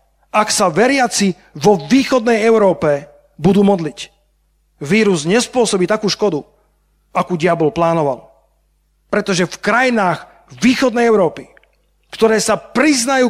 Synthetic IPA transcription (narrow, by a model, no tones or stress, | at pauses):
ʔaksaʋɛɾɪat͡si | ʋɔʋiːxɔd̪nɛjɛʊɾɔːpɛ | bud̪uːmɔd̪lic | ʋiːɾuzɲɛspʊɔsɔbiːt̪akuːʃkɔd̪u | akuːɟɪabɔlplaːnɔʋa̰l | pɾɛt̪ɔʒɛfkɾajinaːx | ʋiːxɔd̪nɛjɛʊɾɔːpi | kt̪ɔɾɛːsapɾiznajuː